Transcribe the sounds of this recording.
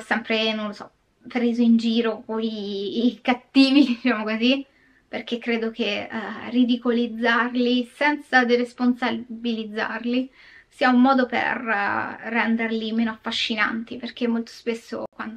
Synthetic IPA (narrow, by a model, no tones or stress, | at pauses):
sːɛmpɾenõlosɔ | pɾeːzoind͡ʒiːɾokoikat̪ːiːvid̪it͡ʃaːmokozi | perk̟ekːɾeːd̪ok̟erid̪ikolid̪zːarlisɛnt̪sad̪iɾesponsabilid̪zːa̰rli | siːaumːɔːd̪opḛrː | ɛnd̪erlimeːnoafːaʃːina̰nt̪iperk̟emːolt̪o̥spesːo̰kwand̪o